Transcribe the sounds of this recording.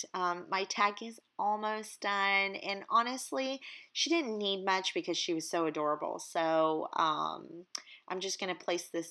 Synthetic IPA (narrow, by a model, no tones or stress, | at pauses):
ʌ̃mːaɪtʰæɡɨ̃zɔlˠmoʊsd̥ʌ̃nɨ̃nɑñɨstˡliʃidɪdⁿn̩nid̚mʌt͡ʃb̥ɨkʰʌz̥ʃiwʌz̥soʊɨdɔɹəbl̩ˠsoʊʌ̰̃mʔãɪ̃md͡ʒʌsɡ̥ʌñɨpʰl̥eɪsðɪs